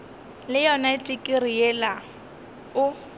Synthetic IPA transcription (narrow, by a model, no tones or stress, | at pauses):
lɪjɔnaɪtʼɪkʼɪriɛla | ʊ